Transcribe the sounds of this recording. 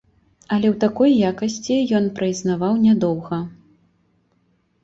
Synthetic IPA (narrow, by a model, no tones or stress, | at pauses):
ɐlʲɛwt̪akɔjːakɐsʲt͡sʲijɔnpɾɨjznavawnʲad̪ɔwɣɐ